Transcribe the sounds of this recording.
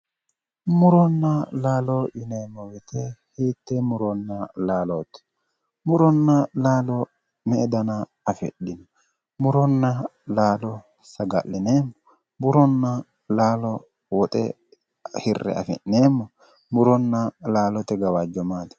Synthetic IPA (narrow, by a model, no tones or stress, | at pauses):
mʊɾɔnːɐlaːlɔɪneːmːɔwɛt̪ɛheːt̪ːɛmʊɾɔnːɐlaːlɔt̪ɛ̥ | mʊɾɔnːɐlaːlɔ | mɛɛd̪ɐnɐ | ɐfɛ̰ɗːɪnɔ | mʊɾɔnːɐlaːlɔ | sɐɡɐʔːɪneːmːɔ | bʊɾɔnːɐ | laːlɔ | wɔt̪ʼɛ̰ | hɪrːɛ̰ɐ̰fɛ̰ʔneːmːɔ | mʊɾɔnːɐlaːlɔt̪ɛɡɐwaːd͡ʒːɔmaːt̪ɛ̥